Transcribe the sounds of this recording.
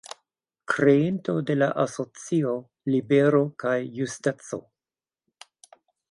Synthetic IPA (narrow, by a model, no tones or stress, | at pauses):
kɾe̞into̞de̞la̰ʔaso̞t͡sio̞ | libe̞ɾo̞kajːustat͡so̞̰